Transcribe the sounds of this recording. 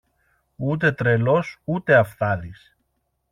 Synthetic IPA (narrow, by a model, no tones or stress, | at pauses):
ut̪̬e̞t̪ɾe̞lo̞sut̪e̞ɐfθɐðis